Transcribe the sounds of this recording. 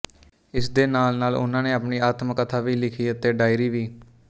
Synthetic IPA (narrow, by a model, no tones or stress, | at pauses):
ɪsd̪eːnaːlnaːlʊ̰nãːneːaːpɳiːaːt̪məkːət̪ʰaːʋiːlɪkʰiːət̪eːɖaːiɾiːʋiː